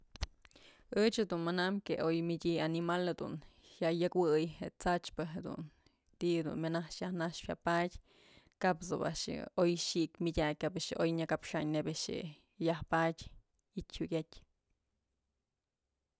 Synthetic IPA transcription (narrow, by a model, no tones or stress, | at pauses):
ɨt͡ʃed̪unmanamkeojmidʲianimalhed̪ṵnhjaʔjɨkwɨjhet͡sat͡ʃpɨɦed̪ṵn | t̪ihed̪ṵnminahʂjahnaʂpjapadʲ | kapso̰ba̰ʔʂojʃiʔkmʲidʲak̚ʲkabeʂʔojɲakapʂaɲnebeʂḛ | jahpadʲ | it̪ʲhuɡʲetʲ